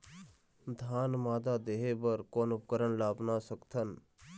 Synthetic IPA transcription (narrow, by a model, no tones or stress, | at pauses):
d̪ʱaːnmaːd̪aːd̪eːɦebəɾkoːnʊp̚kəɾənlaːbnasəkt̪ʰən